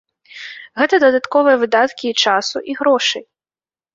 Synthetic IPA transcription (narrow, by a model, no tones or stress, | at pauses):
ɣɛt̪ɐd̪ɐd̪at̪kɔvɨjɐvɨd̪at̪kʲiːt͡ʂasuʔiɣɾɔʂɨj